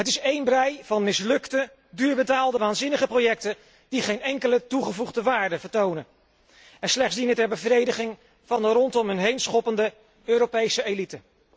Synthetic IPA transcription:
ɦətɪsejnbrɛjvɑnmɪslɵktə | dyːɹbətaːlˠdəʋaːnzɪnəχəprowjɛk̚tə | d̥iχejnɛŋkələtuχəvuχdəʋaːɹdəvəɹtownən | ɛnslɛχtsdinətɛɹbəvrejdəχɪŋ | vɑndərɔntɔmɦɵnɦejnsχɔpəndə | øːɾowpejsəelitə

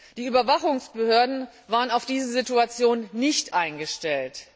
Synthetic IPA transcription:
d̥iːyːbɐvaχʊŋsb̥əhøːɐdn̩vaːʁənaʊfd̥iːzəzituat͡sjoːnːɪçtʔaɪnɡəʃtɛlt

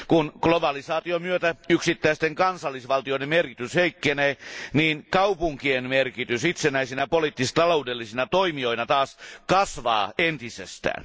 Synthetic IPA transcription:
kunɡ̥lobɑlisɑːt̪iomyøt̪æyksit̪ːæist̪eŋkɑnsɑlːisʋɑlt̪ioĭdemerkit̪ysheikːeneːniːnkɑupuŋkienmerkit̪ysit̪senæisinæpoliːˑt̪ːist̪ɑloudelːisinɑt̪oimio̞inɑt̪ɑːskɑsʋɑ̰ːent̪isḛst̪æ̰ːn

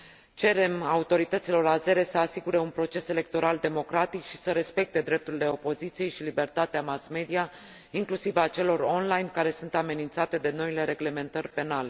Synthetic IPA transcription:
t͡ʃe̞ɾe̞maut̪o̞ɾit̪ət̪silo̞ɾaze̞ɾe̞səasiɡuɾe̞unpɾo̞t͡ʃe̞se̞le̞k̚t̪o̞ɾald̪e̞mo̞kɾat̪ikʃi̥səɾe̞spe̞k̚t̪e̞d̪ɾe̞p̚t̪uɾile̞o̞po̞zit̪sije̞jʃilibe̞rt̪at̪eamasme̞d̪ia | iŋklusivat͡ʃe̞lo̞ro̞nlajnkaɾe̞sunt̪ame̞nint̪sat̪e̞d̪e̞no̞ile̞ɾe̞ɡle̞me̞nt̪ərʲpe̞nale̞

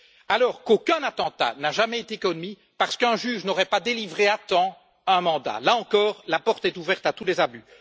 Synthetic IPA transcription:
alɔːʁkokʲɛ̃nat̪ɑ̃t̪a̰naʒamɛet̪ekɔnmi | paʁ̥sə̥kɛ̃ʒyːʒnɔʁɛpad̪elivʁeat̪ɑ̃ | ɛ̃mɑ̃d̪a̰laɑ̃kɔːʁlapɔʁt̪ɛt̪uvɛʁt̪at̪ulɛzaby

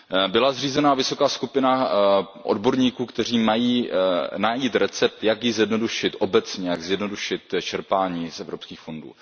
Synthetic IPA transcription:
bɪlazriːzɛnaːvɪso̞kaːskupɪna | ʔo̰dbo̞ɾɲiːkuːkt̪ɛr̝iːmajiːnajit̪ɾɛt͡sɛp̚t̪jakjɪzjɛdno̞duʃɪt̪ʔo̞bɛt͡sɲɛjaɡzjɛdno̞duʃɪt̪t͡ʃɛɾpaːɲiːsɛvɾo̞pskiːxfo̞ndṵː

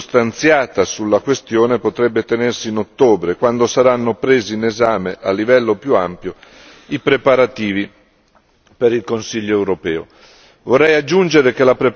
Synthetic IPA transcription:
st̪ant̪sjaːt̪asulːakwest̪joːnepot̪ɾɛbːet̪enersiːnot̪ːoːbɾekwand̪osaɾanːopɾeːziːnezaːmeʔalːivɛlːopjuampjo | ipɾepaɾat̪iːvi | peɾilkonsiʎːoɛwɾopɛːo̰ | vorːɛjad͡ʒːund͡ʒeɾek̟elapɾe

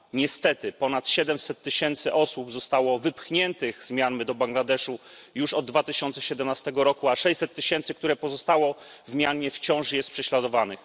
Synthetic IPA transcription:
ɲɛst̪ɛt̪ɘpɔnat̪ɕɛd̪ɛmsɛt̪ːɘɕɛnt̪sɘʔɔsubzɔst̪awɔvɘpxɲɛnt̪ɘɣzmʲjanmɘd̪ɔbaŋɡlad̪ɛʂujuʂɔd̪̚ːvat̪ɘɕɔnt̪sɛɕɛd̪ɛmnast̪ɛɡɔɾɔkuaʂɛj̪ʲsɛt̪ːɘɕɛnt̪sɘk̚t̪uɾɛpɔzɔst̪awɔ | vmʲjanɲɛft͡ɕɔ̃w̃ʂjɛst̪pʂɛɕlad̪ɔvanɘx

